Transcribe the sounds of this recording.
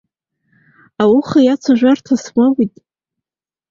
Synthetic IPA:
awʊχajat͡sʷʰaʒᶣʷartʰasmʷawitʼ

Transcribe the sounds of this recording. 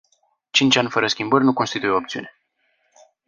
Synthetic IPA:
t͡ʃint͡ʃʲanʲfəɾəskʲimbərʲnuko̞nst̪it̪ujeoopt̪siṵne̞

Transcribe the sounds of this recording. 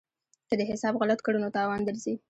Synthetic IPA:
kəd̪əɦɪsɑbɣalat̪kəɽunot̪ɑwɑnd̪əɾzi

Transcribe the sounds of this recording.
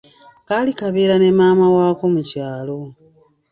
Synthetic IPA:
kaːlikaβeːɾane̞maːmawaːko̞mucaːlo̞

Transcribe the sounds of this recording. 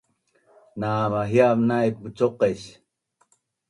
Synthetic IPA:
naːmaɦjamnajput͡ʃoqeɕ

